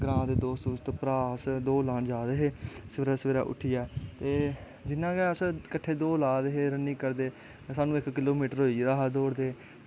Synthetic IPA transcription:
ɡɾãːd̪eːd̪oːssuːst̪pɾaːsd̪oːlaːɳd͡ʒaːɾeɦeːsəʋeːɾaːsəʋeːɾa̰ːʔʊ̰ʈʰiːɛːt̪eː | d͡ʒɪnːãːɡɛːəskəʈʰeːd̪oːlaːɾeɦeːɾəniːkəɾd̪eː | saːnũːɪkːɪloːmiːʈəɾɦoːiːɾaːɦad̪oːɾd̪eː

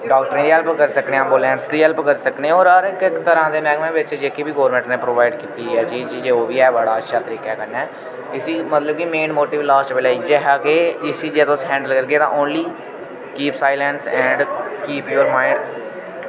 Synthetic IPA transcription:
ɖaːk̚ʈəɾĩːd̪iːɦɛlpkəɾsəknẽːaːboːlɛ̃ːnsd̪iːɦɛlpkəɾsəkneɔːɾəɾɪkɪkt̪əɾãːd̪eːmɛ̃ːɡmẽːʋɪt͡ʃd͡ʒeːkiːbiːɡɔːɾmɛ̃ːɳʈnẽːpɾoːʋaːɪɖkiːt̪iːɛːt͡ʃiːd͡ʒd͡ʒeːoːʋiːɛːbaːɽaːətːʃʰaːt̪əɾiːkɛːkənɛː | ɪsiːmət̪ləbkɪmeːnmoːʈiːʋlaːsʈbeːlaːiːd͡ʒɛɦaːkeːɪsiːd͡ʒeːt̪oʊsɦɛ̃ːɳɖəlkəɾɡeːt̪ã̰ʔoːnliː | kiːpsaːɪlɛ̃nsɛ̃ːɳɖkiːpjoːɾmaːɪɾ

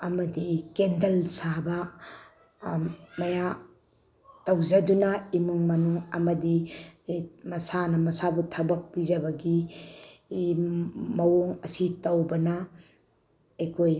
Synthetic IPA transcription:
ɐmɐdikendɐlsabɐ | mɐja | tɐwzɐdunɐimuŋmɐnuŋɐmɐdi | mɐsanɐmɐsabutʰɐbɐk̚pizɐbɐɡi | mɐwoŋɐsitɐwbɐnɐ | ekʰoj

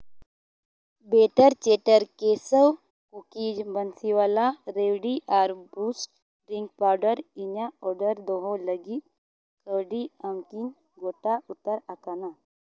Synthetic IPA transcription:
beːʈəɾt͡ʃeʈəɾkesəw | kukid͡ʒbənsiʋaːlaɾeʋɽiʔaːɾbuːsʈ̚ | ɾiŋɡ̚paːwɖəɾiɲaɔɾɖəɾd̪oɦoləɡit̪ | kəwɖiəmkiŋ | ɡoʈaut̪ːəɾakana

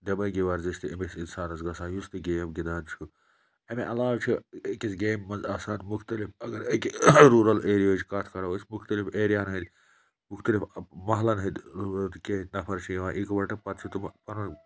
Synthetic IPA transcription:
d̪ɐbɐɡiʋaɾzist̪iɐmisinsaːnɐzɡɐsaːjust̪iɡeːmɡid̪aːnt͡ʃʰu | ɐmiʔɐlaːwt͡ʃʰuekisɡeːmːɐnzɐːsaːnmuxt̪ɐlifɐɡɐɾekɾuːɾɐleːɾijoːt͡ʃkɐt̪ʰkɐɾɐwɐsʲmuxt̪ɐlifeːɾijaːnɦɐd̪ʲ | muxt̪ɐlifmɐɦlɐnɦɐd̪t̪keɦt̪nɐpʰɐɾt͡ʃʰijiʋãːʔikʋɐʈɐpɐt̪t͡ʃʰut̪umpɐnɐ

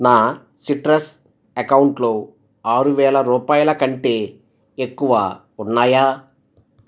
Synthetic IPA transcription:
naː | siʈɾɐs | ɐkɐwuɳʈloː | aːɾuʋɛːlɐɾuːpaːjɐlɐkɐɳʈeː | ekːuʋa̰ː | unːaːjaː

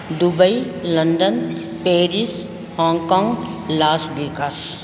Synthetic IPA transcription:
d̪ʊbəilə̃nɖ̪ən | peːɾis | hɔ̃ːŋɡkɔ̃ːŋɡlaːsbikas

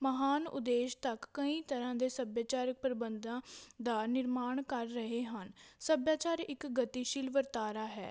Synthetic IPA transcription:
məɦaːnʊ̰d̪eːʃt̪əkːəĩːt̪əɾãːd̪eːsəbjaːt͡ʃaːɾək̚pɾəbənd̪ãːd̪aːnɪɾmaːɳkəɾːəɦeːɦənsəbjaːt͡ʃaːɾɪkɡət̪iːʃɪlʋəɾt̪aːɾaːɦɛ̰ː

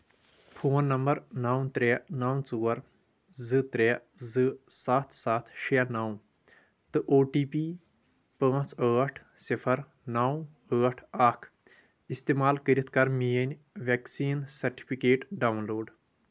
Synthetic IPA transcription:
pʰoːnːɐmbɐɾnaːw̃t̪ɾeːnaːwt͡suːɐɾ | zɨt̪ɾezɨsaːt̪ʰsaːt̪ʰʃenaːw̃ | t̪ɨʔoːʈiːpiː | pə̃ːt͡səːʈʰ | sipʰɐɾ | naːw | əːʈʰaːkʰ | ist̪eːmaːlkəɾit̪ʰkɐɾmiːənʲ | ʋeksiːnsɐɾʈi̥pʰikeːʈɖaːwnloːɖ

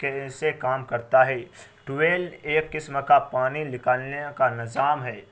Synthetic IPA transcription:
kesekaːmkɐɾt̪aɦɛːʈʊeːleːkːɪsmkapaːninɪkəlnekanɪzaːmɦɛː

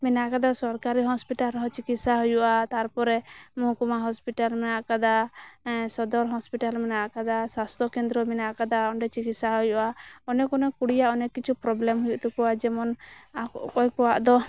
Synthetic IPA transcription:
minaʔkad̪asɔɾkaɾiɦɔspiʈalɾɔɦɔt͡ʃikit̪saɦujuʔat̪aɾpɔɾɛmɔɦukumaɦɔspiʈalmɛnaʔkad̪a | sɔd̪ɔɾɦɔspiʈalmɛnaʔkad̪asast̪ʰɔkɛnd̪ɾɔminaʔkad̪aɔɳɖɛt͡ʃikit̪saɦujuʔaɔnɛkɔnɛkuɽijaʔɔnɛkit͡ʃʰupɾɔblɛmɦujuʔt̪ɛkɔwad͡ʒɛmɔnakɔkɔjkɔwaʔd̪ɔ

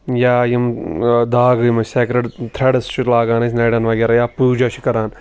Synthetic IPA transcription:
jaːjimd̪aːɡɨjmɐseːkɾɐɖt̪ʰɾɐɽɐst͡ʃʰilaːɡaːnɐsʲnɐːɖɐnʋɐɡʲeːɾajaːpuːd͡ʒaʃʰi̥kɐɾaːn

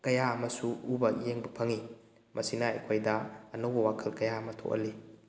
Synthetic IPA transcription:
kɐjaɐmɐsuubɐjeŋbɐpʰɐŋi | mʔɐsinɐɐ̰jkʰojdɐːnowbɐwakʰɐlkɐjaɐmɐtʰo̰ʔɐ̰li

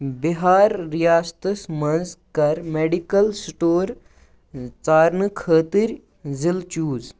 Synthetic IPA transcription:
biɦaːɾːijaːst̪əsmɐnzkɐɾmeːɖikɐlsʈoːɾ | t͡saːɾnɨkʰəːt̪iɾʲ | zilt͡ʃuːz

